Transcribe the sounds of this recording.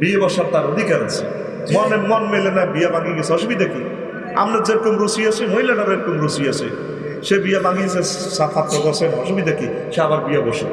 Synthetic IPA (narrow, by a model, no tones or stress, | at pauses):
biebɔʃɔɾt̪aɾod̪ʱikaɾant͡sʰi̥ | mɔnemɔnmelenajbijabaŋɡiɡesɔʃ̬ubid̪aki | a̰mned͡zeɾkomɾusiasimoɦjlanaɾeɾkumɾusiasḭ | ʃebijabaŋɡis̬e | sat̪ʰat̪ːɾɔɡɔsenɔʃubid̪aki | ʃeabaɾbijabɔʃɔ̰